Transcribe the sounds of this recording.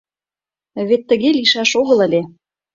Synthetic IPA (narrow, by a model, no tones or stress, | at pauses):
βet̪ːə̆ɣeliʃɑʃoɣɤ̆lə̆lʲe